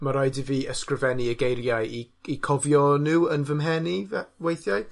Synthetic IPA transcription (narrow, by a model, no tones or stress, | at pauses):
maɾajdiviːəskrəvɛniəɡejɾjaji | ikʰɔvjɔnɨwənvəmɦɛnivɛwejθjaj